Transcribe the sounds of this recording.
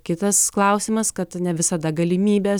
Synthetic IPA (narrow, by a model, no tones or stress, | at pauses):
kʲɪt̪ɐsklˠɐʊsʲɪmɐskɐt̪nʲɛʋʲɪsɐd̪ɐɡɐlʲɪmʲiːbʲeː